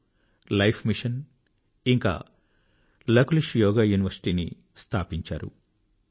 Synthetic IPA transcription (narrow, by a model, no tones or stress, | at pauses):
lɐjpʰmiʂɐn | iŋka̰ː | lɐkuliʂjɔːɡaːjuːniʋɐɾsi̥ʈiːnḭ | st̪ʰaːpiɲt͡ʃa̰ːɾṵ